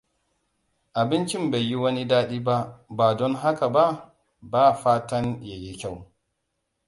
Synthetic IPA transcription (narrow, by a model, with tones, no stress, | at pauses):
ʔa˨bɪ˦nt͡ʃɪ˦mba˨jːi˦wɐ˦ni˦daː˦ɗiː˦ba˦baː˨dɔ˦nɦa˦ka˨ba˦ | baː˦˨faː˦tɐ˦nja˨ji˦kʲa˦˨w